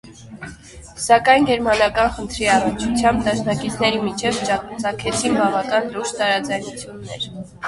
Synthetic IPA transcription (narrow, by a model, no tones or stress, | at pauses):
sɑkɑjnɡɛɾmɑnɑkɑnχənt̪ʰɾiɑrənt͡ʃʰut͡sʰjɑmbd̪ɑʃnɑkit͡sʰnɛɾimit͡ʃʰɛvt͡ʃɑt͡sɑkʰɛt͡sʰinbɑvɑkɑnluɾʃt̪ɑɾɑd͡zɑjnut͡sʰjunːɛɾ